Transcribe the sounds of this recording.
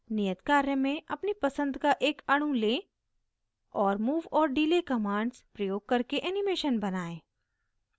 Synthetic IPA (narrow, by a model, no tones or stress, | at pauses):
nijət̪kaːɾjəmẽʔɐpnipɐsə̃nd̪kaʔeːkɐɽ̃ũleː | ɔːɾmuːʋɔːɾɖiːlekɐmãːɳɖspɾɐjoːɡ̚kɐɾkeʔɛːnɪmeːʃənbɐnaːẽː